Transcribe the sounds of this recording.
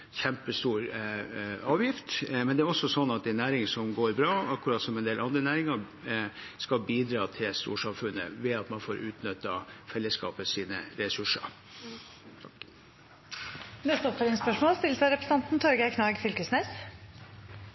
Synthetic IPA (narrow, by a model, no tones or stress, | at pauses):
çɛmpəst̪uːɾ | ɑːʋjɪft̪mɛnd̪ɛæɾɔsːɔsɔnːɑt̪̚d̪ɛnæːɾɪŋsɔmɡoːɾbɾɑːɑkːʊɾɑːt̪sɔmɛnd̪eːlɑnd̪ɾənæːɾɪŋɑ | skɑlbiːd̪ɾɑːt̪ʰɪlst̪ṵːʂɑmfʉnːə̰ʋɛɑt̪mɑnfoːɾʔʉ̰ːt̪nʏt̪ːɑfɛlːəskɑ̰ːpəsiːnə̰ɾɛsʉʂə̰ɾ | nɛst̪ɔpfəlɪnspœʂmoːlst̪ɪləsæɾɛpɾəs̩ɑnt̪n̩t̪ʰɔɾɡəɪkʰnɑːɡfʏlkəsneːs